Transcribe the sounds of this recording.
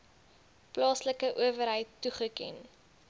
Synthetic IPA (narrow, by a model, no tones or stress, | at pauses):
plɑːsləkəʔuəvəɾɦəjtːuχəkɛ̰n